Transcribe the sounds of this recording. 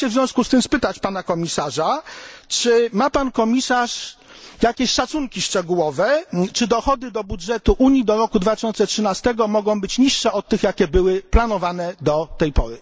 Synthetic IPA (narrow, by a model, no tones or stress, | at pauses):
ɛvzʲjɔ̃w̃skust̪ɘmspɘt̪at͡ɕpanakɔmʲisaʐat͡ʂɘmapankɔmʲisaʂ | jakʲeɕʂat̪suŋkʲiʂt͡ʂɛɡuwɔvɛt͡ʂɘd̪ɔxɔd̪ɘd̪ɔbudʐɛt̪uʔuɲjid̪ɔɾɔkud̪vat̪ɘ̥ɕɔnt̪sɛtʂɘnast̪ɛɡɔmɔɡɔ̃w̃bɘt͡ɕɲiʂːɛɔt̪ːɘxjakʲɛbɘwɘplanɔvanɛd̪ɔt̪ɛjpɔɾɘ